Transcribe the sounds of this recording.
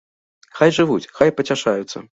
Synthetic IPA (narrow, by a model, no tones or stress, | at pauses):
xajʐɨvut͡sʲxajpɐt͡sʲaʂajut̪sːɐ̰